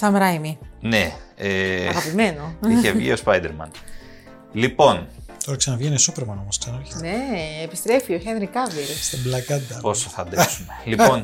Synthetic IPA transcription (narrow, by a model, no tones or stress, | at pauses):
sɐmɾɐjmineeɐɣɐpime̞noiçevʝḭospɐjd̪eɾmɐ̰n | lipo̞nt̪oɾɐksɐnɐvʝenisupeɾmɐnomosksɐnɐçe̥neːpist̪ɾe̞fioçenɾikɐviɾist̪iblɐkɐt̪ɐposoθɐd̪sumelion